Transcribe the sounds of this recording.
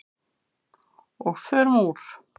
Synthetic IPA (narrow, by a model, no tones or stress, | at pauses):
ɔɣfœɾmuːɾ̥